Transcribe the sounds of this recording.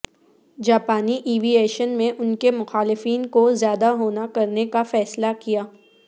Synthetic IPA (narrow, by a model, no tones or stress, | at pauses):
d͡ʒaːpaːniʔiːʋieːʃənmẽʔʊnkemʊxaːlɪfiːnkozjaːd̪aɦoːnakɐɾnekafɛːslakijaː